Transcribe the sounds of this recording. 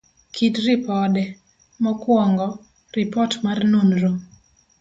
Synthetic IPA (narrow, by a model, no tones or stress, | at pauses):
kʰitrɪpɔdɛ | mɔkwɔŋɡɔ | ripɔtmarnonɾo